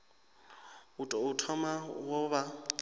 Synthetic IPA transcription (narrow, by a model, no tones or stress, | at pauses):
utʼɔutʰɔmawɔβa